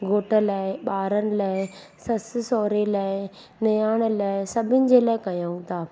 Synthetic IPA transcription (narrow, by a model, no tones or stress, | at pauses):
ɡʱoːʈə̆laːɪɓaːɾənɪ̆laːɪ | sɐsɪsɔːɾelaːɪ | nɐjaːɽ̃̆laːɪsɐbʱɪnɪ̆d͡ʑeːlaːɪkɐjaːũt̪aː